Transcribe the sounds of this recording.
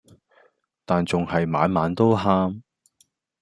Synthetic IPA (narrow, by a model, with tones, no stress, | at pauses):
t̪aː˨nt͡sʊ˨ŋhɐ˨jma̰ː˨˧nmaː˨˧nt̪o˥wɦaː˥m